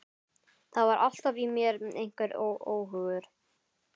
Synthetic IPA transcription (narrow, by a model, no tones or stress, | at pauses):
θaðvaɾʔa̰l̥t̪avimjɛɾʔejŋ̥kvɛɾowʔoːwɦʏɣʏɾ̥